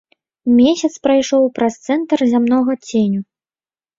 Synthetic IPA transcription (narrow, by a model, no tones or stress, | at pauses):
mʲeɛsʲɐt̪spɾajʂɔwpɾɐst̪sɛnt̪ɐrzʲamnɔɣɐt͡sʲenʲu